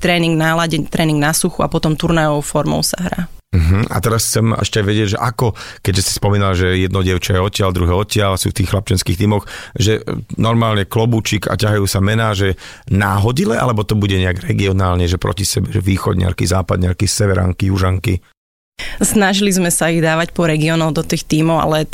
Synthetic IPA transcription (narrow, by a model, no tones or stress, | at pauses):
t̪ɾɛːniŋɡnalaɟɛɲt̪ɾʔɛːniŋɡnasuxuapɔt̪ɔmt̪uɾnajɔʋɔʊfɔɾmɔ̰ʊsa̰ɦɾa̰ːm̩ɦm̩a̰t̪ɛɾast͡sɛmɛʃcɛajʋɛɟɪɛɟʒɛ̰ʔakɔkɛɟʒɛsi̥spɔmiːnalʒɛjɛd̪nɔɟɪɛʊt͡ʃajɛɔcɪald̪ɾuɦɛːɔcɪalasṵːft̪iːxːlap̚t͡ʃɛnskiːxt̪iːmɔxʒɛnɔɾmaːlɲɛklɔbuːt͡ʃika̰caɦajuːsamɛnaːʒɛ | naːɦɔɟilɛʔa̰lɛbɔt̪ɔbuɟɛɲɛaɡɾɛɡiɔnaːlɲɛʒɛpɾɔ̰cisɛbɛʒɛʋiːxɔ̰d̪ɲ̰a̰ɾkizaːpad̪ɲaɾkisɛʋɛɾa̰ŋkijuʒaŋkḭ | snaʒilizmɛsaiɣd̪aːʋacpɔɾɛɡiɔnɔʊd̪ɔt̪iːxt̪iːmɔʊa̰lɛ